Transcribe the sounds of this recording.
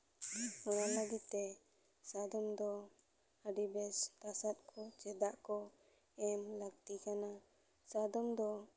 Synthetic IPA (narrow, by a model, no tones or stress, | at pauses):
ɔnaʔləɡit̪̚t̪ɛ | sad̪ɔmd̪ɔ | əɖibɛst̪asat̪̚kʰɔt͡ʃɛd̪aʔkɔ | ɛmləɡ̚t̪ikana | sad̪ɔmd̪ɔ